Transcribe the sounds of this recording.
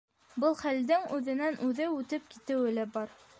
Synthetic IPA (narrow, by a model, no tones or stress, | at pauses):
bɤlˠχæld̪ɘŋʉðɘ̆nænʔʉðɘʉt̪ɘp̚ki̥t̪ɘ̆wɘlæbɑɾ